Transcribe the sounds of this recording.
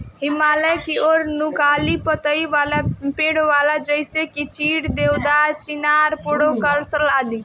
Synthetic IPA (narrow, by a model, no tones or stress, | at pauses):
ɦimaləjkioɾnukalipət̪əiʋalapeɽʋalad͡ʒəjsekit͡ʃiɽd̪ewd̪at͡ʃinaɾpoɽokəɾsəlad̪i